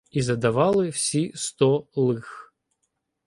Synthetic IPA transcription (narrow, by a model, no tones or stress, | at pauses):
izɐd̪avalˠɨfsʲist̪ɔlˠɨx